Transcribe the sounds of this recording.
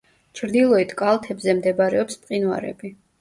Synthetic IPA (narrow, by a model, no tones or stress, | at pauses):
t͡ʃʰɾd̪ilˠɔit̪ʰkʼalˠt̪ʰɛbzɛmd̪ɛbaɾɛɔpspʼqʼinwa̰ɾɛ̰bi